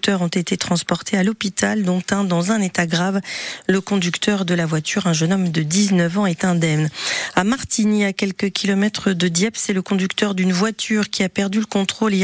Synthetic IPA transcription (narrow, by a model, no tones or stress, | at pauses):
t̪œʁɔ̃t̪et̪et̪χɑ̃spɔʁt̪ʰealɔpit̪ald̪ɔ̃t̪ɛ̃d̪ɑ̃zɛ̃net̪aɡʁavləkɔ̃d̪ykt̪ʰœʁd̪əlavwat̪yʁɛ̃ʒənɔmd̪əd̪iznəvɑ̃ɛt̪ɛ̃d̪ɛmnamaʁt̪iniakʲɛlkəkʲilɔmɛt̪χəd̪əd̪jɛpsɛləkɔ̃d̪ykt̪œʁd̪ynvwat̪yʁkʲʰiapɛʁd̪yləkɔ̃t̪χole